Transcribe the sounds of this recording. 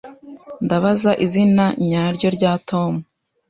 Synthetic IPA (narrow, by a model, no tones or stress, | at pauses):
ndaβazaʔizinaɲaːɾɟo̞ɾɟaːtʰo̞mu